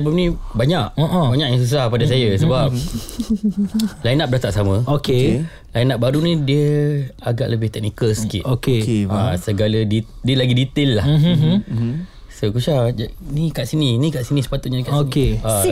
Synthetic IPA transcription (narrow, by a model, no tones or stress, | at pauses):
səbap̚nĩbaɲaʔoʔbaɲakjaŋs̬us̬ahpadas̬ajəsəbap̚ | lajnap̚dat̪aʔsamə̃oke | lainap̚baɾunĩdiəaɡa̰ʔləbɪht̪ɛk̚nikəlsə̥kiʔokeasəɡalədidiəlaɡidit̪elːah | sokut͡ʃad͡ʒanikaʔsinĩnĩkaʔsinĩsə̥pat̪ʊt̪̚ɲanikaʔokea